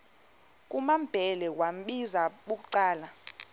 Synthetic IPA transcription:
k̬ʼumamb̥ʱɛlɛkwam̩ɓizaɓuk̬ʼuǀaːla

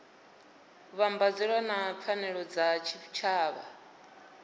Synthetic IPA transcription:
βambad͡zɛɺwanap̪fʰanɛɺɔd͡zat͡ʃʰit͡ʃʰaːβa̰

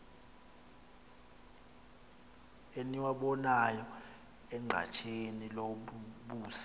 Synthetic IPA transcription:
eniwaɓɔnajɔ | ɛŋ͡ǃʱa̰t͡ʃʰeniloɓuːsḁ

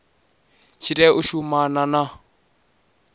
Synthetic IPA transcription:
t͡ʃʰitʼɛuʃumanana

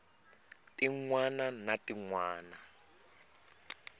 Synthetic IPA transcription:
tiŋwananatiŋwaːna

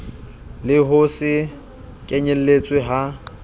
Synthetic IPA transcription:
lɪɦʊsɪ | kʼɛɲɛl̩let͡sʼwɪɦa

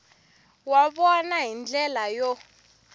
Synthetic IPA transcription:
waɓɔnaɦind͡ɮɛlajɔ

